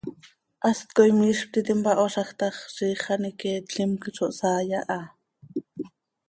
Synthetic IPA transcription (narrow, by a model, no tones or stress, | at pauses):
ʔast̪̚kojmiʃp̚t̪it̪impɑʔoʃɑxt̪ɑχʃiːχɑnikeːt̪ɬimkit͡ʃʰoʔsaːjaʔɑ